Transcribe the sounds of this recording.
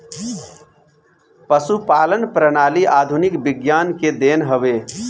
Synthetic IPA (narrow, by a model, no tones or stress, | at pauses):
pəsupaːlənpɾənaːliʔaːd̪ʱunɪkbɪɡjaːnked̪eːnɦəʋeː